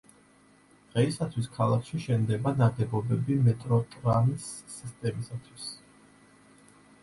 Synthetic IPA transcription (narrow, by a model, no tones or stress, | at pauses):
ʁɛisat̪ʰwiskʰalˠakʰʃiʃɛnd̪ɛbanad̪ɛbɔbɛbimɛt̪ʼɾɔt̪ʼɾanisːist̪ʼɛmisat̪ʰwis